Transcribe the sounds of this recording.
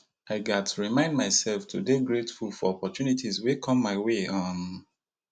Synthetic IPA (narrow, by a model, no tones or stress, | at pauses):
aɪɡatʰuɹimãɪ̃ndmaɪsɛlftʰudeɡɹetfulfɔɔpɔtjunitʰizwekʰɔ̃mːaɪweʌm